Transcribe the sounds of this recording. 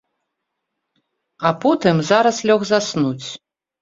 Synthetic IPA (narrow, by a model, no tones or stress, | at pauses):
ɐpɔt̪ɨmzaɾɐslʲɔɣzasnut͡sʲ